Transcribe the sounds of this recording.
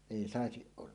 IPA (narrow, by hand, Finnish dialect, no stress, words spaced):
eˑi sɑˑesiʔ ʔolːɑ